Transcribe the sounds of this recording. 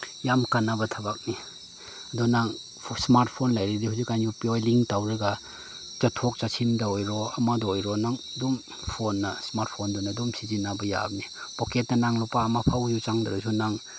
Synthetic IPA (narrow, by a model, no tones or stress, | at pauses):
jamkanːabɐtʰɐbak̚ni | ɐdunaŋ | smaɾt̚pʰonlajɾidihuzikːajnupiojliŋktawɾɐɡa | t͡ʃɐtʰok̚t͡ʃasʰimdaojɾɔɐmadɔojɾɔnaŋdum | pʰonːɐsmaɾt̚ʰpʰondunadumsizinabɐja̰bnib̥oketːɐnaŋlupaːmapʰawzut͡ʃaŋdaɾusunaŋ